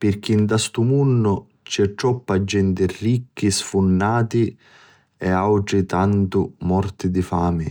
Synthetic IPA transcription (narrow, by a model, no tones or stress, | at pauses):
pɪrk̟int̪ast̪umunːʊ | t͡ʃɛʈɾɔpːad͡ʒːɛnt̪ɪrikːisfunːaːt̪i | ɛawʈɾɪt̪ant̪ʊmɔrt̪ɪd̪ifaːmɪ